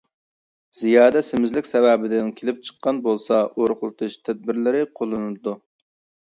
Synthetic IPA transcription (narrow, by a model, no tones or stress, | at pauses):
z̥ijɑːd̪ɛsɪmɪzlɪkʲsɛvɛbɪd̪ɪnkʲʰelɪp̚t͡ʃʰə̥qːɑnbolˠsɑʔoɾχlˠɨt̪ʰuʃt̪ʰɛd̪̚bɪɾlɪɾɪqʰolˠɨnɨd̪u